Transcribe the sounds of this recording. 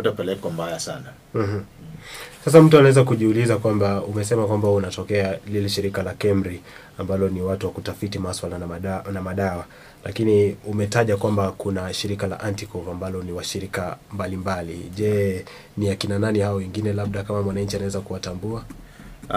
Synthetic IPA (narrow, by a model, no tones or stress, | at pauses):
tapɛlɛkwambajasa̰na | m̩ɦm̩ | sas̬am̩tuanaɛzakuʄiulizakwambaumɛsɛmakwambaunatɔkɛalilɛʃiɾikalakɛmɾi | ambalɔniwatuwakutafitimaswalanamaɗawa | la̰kiniumɛtaʄakwambakunaʃiɾikala̰ʔantikɔvambalɔniwaʃiɾikambalimbalḭʄɛ | niakinananihaɔwɛŋɡinɛlaɓ̚ɗakamamwanaɲt͡ʃianawɛzakuwatambua